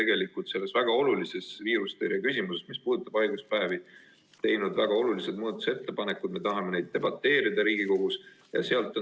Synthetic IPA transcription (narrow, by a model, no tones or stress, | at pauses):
e̞ɡ̥e̞likːˑult̪se̞lːe̞svæɡ̥ɑo̞lulise̞sviːɾust̪eɾjɑkys̬ʲimuse̞smispuːd̪̥ut̪ːˑɑb̥ɑjɡuspæːvi | t̪e̞jnud̪væɡ̥ɑo̞lulised̪muːd̪ɑt̪u̥se̞t̪ːe̞pɑne̞kːˑud̪̥me̞t̪ɑɦɑme̞ne̞jd̪̚ːe̞bɑt̪ˑːe̞ːɾid̪̥ɑɾiːɡiko̞ɡ̥us | jɑ̰se̞ɑlt̪ːˑo